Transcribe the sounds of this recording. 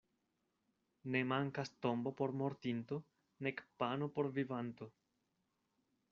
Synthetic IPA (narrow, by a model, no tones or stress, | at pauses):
ne̞maŋkasto̞mbo̞po̞ɾmo̞ɾtinto̞ | ne̞kpano̞po̞ɾvivanto̞